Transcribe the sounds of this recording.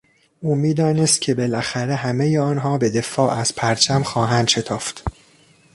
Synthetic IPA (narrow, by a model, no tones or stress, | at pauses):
ʔuːmiːd̪ɒːnest̪̚cʲʰe̞be̞læxæɾe̞ɦæmejeɒːnɦɒːbe̞d̪e̞fɒːʔæz̥pʰæɾt͡ʃʰæmxɒːɦænd̪̥ʃe̞t̪ʰɒːft̪